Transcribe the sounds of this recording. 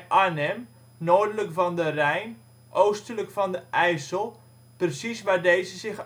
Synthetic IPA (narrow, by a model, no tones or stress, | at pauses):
ʔanɛm | noːrdələkfɑndərɛjn | ʔowstələkfɑndəʔɛjsəlˠ | prəsisʋaːdejzəzɪx